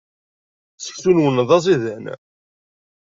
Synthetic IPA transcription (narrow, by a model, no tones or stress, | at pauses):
sə̥çsunwənðˤɑzˤiðæn